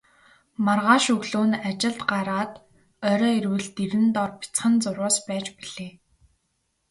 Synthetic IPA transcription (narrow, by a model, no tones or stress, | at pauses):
marʁaːʃɵɣɮuːnat͡ɕɪ̆ɮt̪ɢaɾaːt̪ | œɾɔːiɾwɘ̆ɮt̪iɾɘ̆nt̪ɔrpi̥t͡sχə̆nt͡sʊrʊːspæːt͡ɕpiɮ̥eː